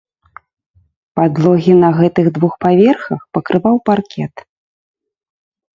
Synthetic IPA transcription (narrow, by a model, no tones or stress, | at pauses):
pad̪lˠɔɣʲinɐɣɛt̪ɨɣd̪vuxpavʲɛrxɐxpɐkɾɨvawparkʲɛt̪